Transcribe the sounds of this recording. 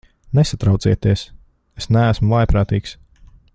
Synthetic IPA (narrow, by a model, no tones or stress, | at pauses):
nesat̪ɾawt̪siɛt̪iɛs | esnæːsmuvˠajpɾaːt̪iːks